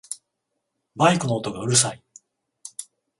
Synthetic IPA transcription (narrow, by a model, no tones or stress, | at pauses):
baikɯ̟no̞ːt̪oɡaɯ̟ɾɯ̟s̬ai